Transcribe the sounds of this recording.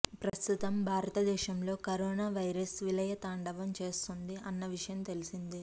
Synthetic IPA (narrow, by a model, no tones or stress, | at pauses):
pɾɐst̪ut̪ɐmbʱaːɾɐt̪ɐd̪ɛːʃɐmlo̞ːkɐɾoːnaːʋɐjɾɐsʋilɐjɐt̪aːɳɖɐʋɐmt͡ʃe̞ːst̪und̪iɐnːɐʋiʂɐjɐmt̪e̞lisind̪i